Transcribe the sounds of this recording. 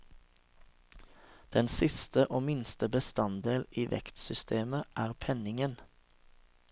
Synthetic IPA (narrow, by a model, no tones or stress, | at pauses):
d̪̥ɛnsɪst̪əʔoːmɪnst̪əbəst̪ɑnd̪eːliːʋɛ̰kt̪sʏst̪ʰeːməʔæːʁpʰɛnɪŋən